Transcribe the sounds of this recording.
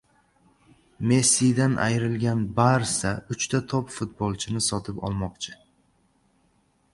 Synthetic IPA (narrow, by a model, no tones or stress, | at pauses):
me̞sijd̪anʔa̰jɾɪlɡʲanbaɾsaʊt͡ʃt̪ʰat̪ʰɒpfʊt̪̚bɒlˠt͡ʃʰɪnɪsɒt̪ʰɪpɒ̰lˠmɒqt͡ʃʰɪ